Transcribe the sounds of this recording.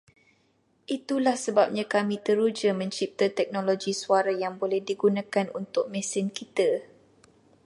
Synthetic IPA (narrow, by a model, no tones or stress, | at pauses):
ʔit̪ulahsəbap̚ɲãkamĩt̪əɾud͡ʒəmə̃ɲt͡ʃip̚t̪at̪ɛk̚noloɡisuaɾajaŋbolɛhdiɡunãkanṵnt̪ʊk̚mɛ̃sɪnkit̪a